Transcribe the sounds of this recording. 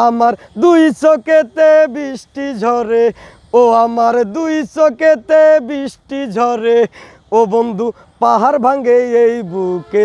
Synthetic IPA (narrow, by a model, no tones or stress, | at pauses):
amaɾ | d̪ujsoket̪ebisʈid͡ʒʱɔɾe | oamaɾd̪ujsoket̪ebisʈid͡ʒʱɔɾe | obond̪ʱu | paɦaɾbʱaŋɡeejbuke